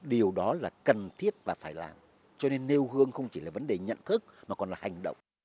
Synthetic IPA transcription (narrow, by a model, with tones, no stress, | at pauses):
ɗi˨˩əwɗɔ˨˦laː˨˩kə˨˩nt̪ʰi˦˥ət̚vaː˨˩faː˧˩jla̰ː˨˩m | t͡ɕɔ˧ne˧nːe˧whɨ˧əŋxə˧wŋ͡mt͡ɕi˧˩laː˨˩və˨˦nɗe˨˩ɲə̰˧˨nt̪ʰɨ˦˥k̚maː˨˩kɔ˨˩nlaː˨˩ha˨˩jŋ̟ɗə̰˧˨wŋ͡m